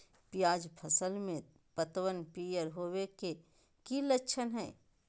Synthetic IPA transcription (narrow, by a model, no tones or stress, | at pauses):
pɪjaːd͡ʒpʰɐsəlmẽ | pət̪wənpijəɾɦoːweke | kilətːʃʰənɦɛ̰ː